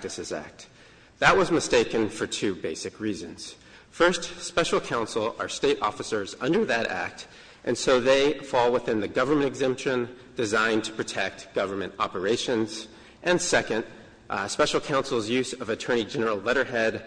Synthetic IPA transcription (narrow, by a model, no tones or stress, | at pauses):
tɨsɨzæ̰k̚t̚ | ðəʔ̚wʌzmɨsteɪkɨ̃nfə˞tʰʉbeɪsɨkʰɹizɨ̃nz̥ | fɜ˞stspɛʃl̩ˠkʰãʊ̃nsl̩ˠə˞steɪɾʔɔ̰fəsə˞zʌ̰̃ndə˞ðɨɾæ̰k̚t | ʔɨ̃nsoʊðeɪfɔlˠwəθɪ̃nðɨɡʌvə˞mɨ̃ntɨɡzɛ̃mpʃɨ̃n | d̥ɨzãɪ̃ntʰə̥pʰɹ̥ɨtʰɛk̚t̚ɡ̥ʌvə˞mɨ̃ntɑ̰pə˞eɪʃɨ̃nz̥ | ʔɨ̃nsɛkɨ̃nd | spɛʃl̩ˠkʰãʊ̃nsl̩ˠzjʉzʌvɨtʰɜ̃˞ɾ̃id͡ʒɛnə˞l̩ˠlɛɾə˞ɦɛd